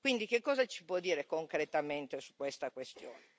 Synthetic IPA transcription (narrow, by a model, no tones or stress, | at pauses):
kwind̪ikekːɔːzat͡ʃi̥pwɔd̪ːiːɾekoŋkɾet̪ament̪esu̥kːwest̪akwest̪jo̰ːne